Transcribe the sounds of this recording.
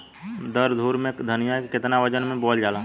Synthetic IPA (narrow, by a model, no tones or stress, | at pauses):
d̪əɾd̪ʱuːɾmẽd̪ʱənɪjakɪt̪naʋəd͡ʒənmẽbɔːld͡ʒaːlã